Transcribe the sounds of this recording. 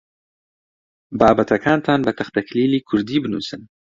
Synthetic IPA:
bɑːbat̪akʰɑːnt̪ʰɑːnbət̪axt̪aklilikʰʊɾd̪ibənṵsən

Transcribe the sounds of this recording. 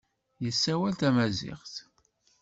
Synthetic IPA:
jəsːæwælt̪æmæzɪ̰χθ

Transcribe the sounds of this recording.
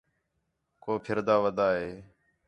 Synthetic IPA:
koːpʰɪɾd̪aːʋəd̪aːɦeː

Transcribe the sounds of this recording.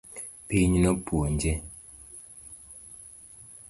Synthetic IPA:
peɲinɔpuond͡ʒɛ

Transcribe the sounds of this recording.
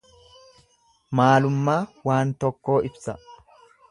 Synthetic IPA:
maːlʊmːaːwaːnt̪ɔkːo̞ːɪbsɐ

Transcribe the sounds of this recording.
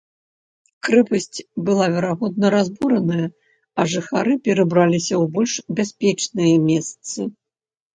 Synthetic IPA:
kɾɛpɐsʲt͡sʲbɨlˠavʲɛɾaɣɔd̪nɐɾazbuɾɐnɐjɐ | ɐʐɨxaɾɨpʲɛɾɨbɾalʲisʲɐwbɔlʲʂbʲasʲpʲɛt͡ʂnɨjɐmʲɛst̪sɨ

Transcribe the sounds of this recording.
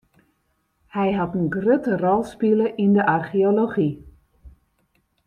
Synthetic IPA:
hɛjɦɑtənɡrøtərɔlˠspiləʔindəʔarxioloxi

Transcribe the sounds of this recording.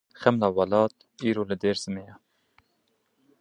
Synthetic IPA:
xɛmlɑːwɑlɑːt̪̚ | iːɾoːlɨd̪eːɾz̥ɨmejɑː

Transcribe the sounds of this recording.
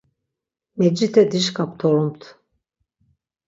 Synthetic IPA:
mɛd͡ʒit̪ʰɛd̪iʃkʰapt̪ʰɔɾumt̪ʰ

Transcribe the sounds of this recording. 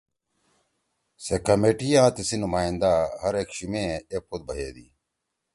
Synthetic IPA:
sekɐmeːʈijaːt̪isinumaːind̪aɦɐɾeːkɕimẽːepʰot̪̚bɐɦeːd̪ḭː

